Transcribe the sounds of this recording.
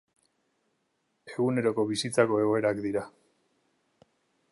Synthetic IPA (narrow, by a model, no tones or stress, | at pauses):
e̞ɣ̞une̞ɾo̞ko̞βisit͡sako̞e̞ɣ̞o̞e̞ɾakd̪iɾa